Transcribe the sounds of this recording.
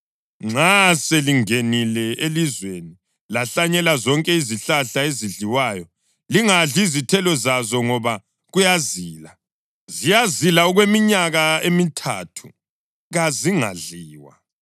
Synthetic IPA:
ŋ͡ǁaseliŋenilɛelizweni | laɬaɲɛlazɔŋkʼɛiziɬaɬaeziɮiwaːjɔ | liŋaɮizitʰɛlɔzazɔŋɔβa | ɣujaziːla | zijazilaɔɣwemiɲaɣaemitʰa̰ːtʰu̥ | ɣaziŋa̰ɮiːwa̰

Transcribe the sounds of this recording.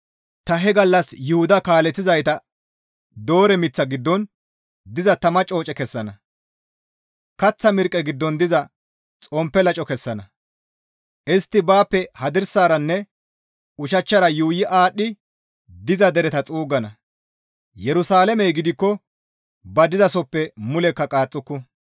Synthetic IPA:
t̪ɐɦɛɡɐlːɐsjʊhʊd̪ɐkaːlɛt͡sːɪzɐjt̪ɐ | d̪o̞ːɾɛmɪt͡sːɐɡɪd̪ːɔn | d̪ɪzɐt̪ɐmɐt͡ʃʼo̞ːt͡ʃʼɛkɛsːɐnɐ | kɐt͡sːɐmɪɾkʼːɛɡɪd̪ːɔnd̪ɪzɐ | t͡sʼɔmpːɛlɐt͡ʃʼɔkɛsːɐnɐ | ʔɪst̪ːɪbaːpːɛhɐd̪ɪɾsaːɾɐnːɛ | ʊʃɐt͡ʃːɐɾɐjuːjɪʔaːɗɪ | d̪ɪzɐd̪ɛɾɛt̪ɐt͡sʼuːɡɐnɐ | jɛɾʊsaːlɛmɛjɡɪd̪ɪkːɔ | bɐd̪ɪzɐsɔpːɛmʊlɛkːɐkʼaːt͡sʼːʊkːʊ

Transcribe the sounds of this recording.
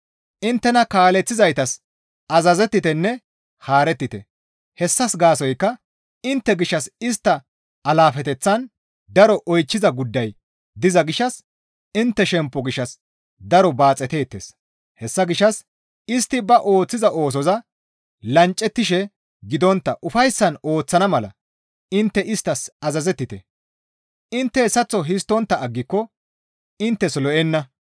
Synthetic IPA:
ʔɪnt̪ːɛnɐkaːlɛt͡sːɪzɐjt̪ɐs | ɐzɐzɛt̪ːɪt̪ɛnːɛ | haːɾɛt̪ːɪt̪ɛ | hɛsːɐsɡaːsɔjkːɐ | ɪnt̪ːɛɡɪʃːɐsɪst̪ːɐ | ɐlaːfɛt̪ɛt͡sːɐn | d̪ɐɾɔʔɔjt͡ʃːɪzɐɡʊd̪ːɐj | d̪ɪzɐɡɪʃːɐs | ɪnt̪ːɛʃɛmpːɔɡɪʃːɐs | d̪ɐɾɔbaːt͡sʼːɛt̪e̞ːt̪ːeːs | hɛsːɐɡɪʃːɐs | ɪst̪ːɪbɐʔo̞ːt͡sːɪzɐʔo̞ːs̬ɔzɐ | lɐnt͡ʃʼːɛt̪ːɪʃɛ | ɡɪd̪ɔnt̪ːɐʔʊfɐjsːɐno̞ːt͡sːɐnɐmɐlɐ̰ | ɪnt̪ːɛɪst̪ːɐsɐzɐzɛt̪ːɪt̪ɛ | ɪnt̪ːɛsɐt͡sːɔɦɪs̬t̪ːɔnt̪ːɐːɡːɪkːɔ | ɪnt̪ːɛslɔʔɛnːɐ

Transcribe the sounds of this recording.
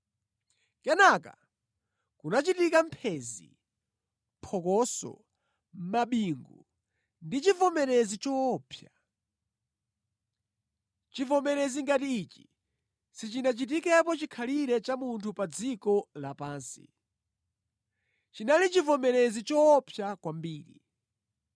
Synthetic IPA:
kɛnaka̰ | kunat͡ʃitikam̩pʰɛzḭ | mpʰɔkɔsɔ̰ | m̩maɓiŋɡṵ | ndit͡ʃivɔmɛɾɛzit͡ʃɔːpʰja | t͡ʃivɔmɛɾɛziŋɡatiːt͡ʃi̥ | sit͡ʃinat͡ʃit̬ikɛpɔt͡ʃikʰaliɾɛt͡ʃamuntʰupad͡zikɔlapaːnsi̥̰ | t͡ʃinalit͡ʃivɔmɛɾɛzit͡ʃɔːpʰjakwambiːɾḭ

